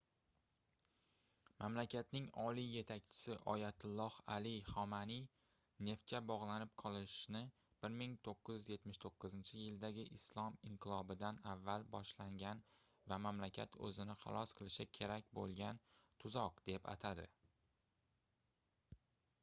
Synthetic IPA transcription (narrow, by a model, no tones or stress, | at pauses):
mamlakʲʰat̪nɪŋɒlije̞t̪ʰakʲt͡ʃʰɪ̥sɪʔɒjat̪ʰʊlˠːɒhalɪχɒmani | ne̞ft̪̚kʲabɒʁlˠanɪp̚qʰɒlˠɪʃnɪ | b̥ɪɾmɪŋt̪ʰoqːɨzjyzje̞t̪mɪʃt̪ʰoqːɨzɪnt͡ʃʰɪjɪld̪aɡʲɪʔɪslˠɒmɪɴqʰɨlˠɒbɪd̪anavːalbɒʃlaŋɡʲan | vamamlakʲʰa̰t̪ʰɵ̰zɪnɪχɑ̰lˠɒsqʰɨlˠɪʃɪkʲʰe̞ɾakʲbolˠɡʲant̪ʰʊzɒqd̪̥e̞pa̰t̪ʰad̪ɪ̰